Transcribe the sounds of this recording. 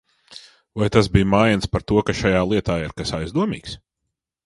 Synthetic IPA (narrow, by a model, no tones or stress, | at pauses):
vajt̪asbiːjmaːjnspaɾt̪uɔkaʃajaːlˠiɛt̪aːiɾkasajzd̪uɔmḭːks